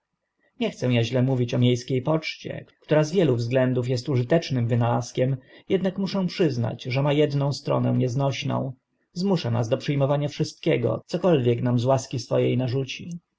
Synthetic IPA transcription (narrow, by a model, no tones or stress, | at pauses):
ɲɛxt̪sɛ̃w̃jaʑlɛmuvʲit͡ɕɔmʲjejskʲejpɔt͡ʂt͡ɕɛ̰kkt̪uɾazvʲjɛluvzɡlɛnd̪ufjɛst̪uʐɘt̪ɛt͡ʂnɘmvɘnalaskʲɛmjɛd̪nakmuʂɛ̃w̃pʂɘzna̰d͡ʑʐɛmajɛd̪nɔ̃w̃st̪ɾɔ̰nɛ̰w̃ɲɛznɔɕnɔ̰̃w̃ | zmuʂana̰zd̪ɔpʂɘjmɔvaɲafʂɘst̪̚kʲɛɡɔ̰t̪sɔkɔlvʲjɛknamzwaskʲisfɔjejnaʐut͡ɕi